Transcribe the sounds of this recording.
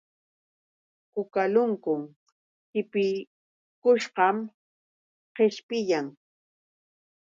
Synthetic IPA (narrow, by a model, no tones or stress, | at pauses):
kʊkalʊŋkʊŋ | hɪpɪ | kʊʃɢɑm | qeʃpɪjaŋ